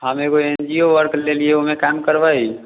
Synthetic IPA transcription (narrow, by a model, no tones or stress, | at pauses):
ɦəmekoend͡ʒioʋəɾklelieomẽkamkəɾʋai